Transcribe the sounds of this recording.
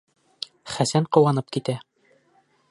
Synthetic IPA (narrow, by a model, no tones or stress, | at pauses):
χæsæɴqŏwɑnɤp̚kit̪æ